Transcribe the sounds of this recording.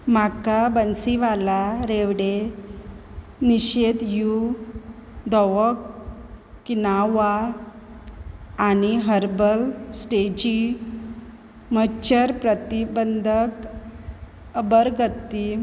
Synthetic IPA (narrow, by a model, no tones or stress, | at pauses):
m̤akabənsiʋalaɾeʋɽe | niɕed̪ju | d̪ɔʋəkː | inaʋa | niɦəɾbəlsʈed͡ʑi | mət͡ɕəɾpɾət̪ibənd̪ʱək | əbəɾɡət̪ːi